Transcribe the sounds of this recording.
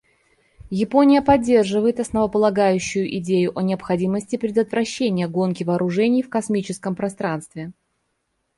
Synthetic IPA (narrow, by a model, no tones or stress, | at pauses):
jɪpo̞nʲɪjəpɐdʲːe̞rʐɨvəjɪt̪ɐsnəvəpəlˠɐɡajʉɕːʊjʊʔɪdʲejʊʔɐnʲɪɐpxɐdʲiməsʲtʲɪpɾʲɪd̪ət̪vɾɐɕːenʲɪjəɡo̞nkʲɪvɐːɾʊʐɛnʲɪjfkɐsmʲit͡ɕɪskəmpɾɐst̪ɾanst̪vʲɪ